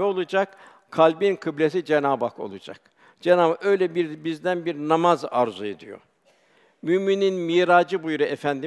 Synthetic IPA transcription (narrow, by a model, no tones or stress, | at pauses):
ɛolˠud͡ʒak | kʰalʲbinkʰɯblʲesid͡ʒenaːbako̞̰lˠud͡ʒa̰k | d͡ʒenaːbaø̞jlʲɛbiɾbizd̪ænbiɾnamazaɾzued̪ijo̞̰ | mymininmiːɾaːd͡ʒɯbujɾuefænd̪i